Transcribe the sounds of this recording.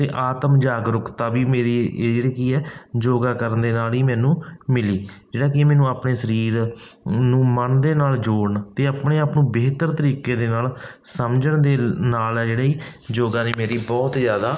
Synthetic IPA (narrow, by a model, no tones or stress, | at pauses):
t̪eːʔaːt̪əmd͡ʒaːɡɾʊkt̪aːʋiːmeːɾiːd͡ʒeːɽiːkiːɛːd͡ʒoːɡaːkəɾənd̪eːnaːliːmɛ̃ːnũːmɪliːd͡ʒeːɽaːkɪmɛ̃ːnũːaːpɳeːsəɾiːɾnũːmənd̪eːnaːld͡ʒoːɽɳt̪eːaːpɳeːaːpnũːbeːt̪əɾt̪əɾiːkeːd̪eːnaːlsəmd͡ʒəɳd̪eːnaːlɛːd͡ʒeːɽaːiːd͡ʒoːɡaːneːmeːɾiːbɔːt̪zjaːd̪aː